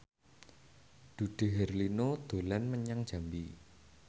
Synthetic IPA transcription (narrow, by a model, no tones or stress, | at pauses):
d̪̥ṳɖ̥e̤ɦɛrlinod̪̥o̤lɛnməɲaŋd̥ʒ̥a̤mbi